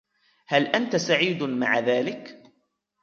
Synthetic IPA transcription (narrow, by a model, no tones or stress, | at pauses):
halʔant̪asaʕiːd̪ma̰ʕaðaːlɪk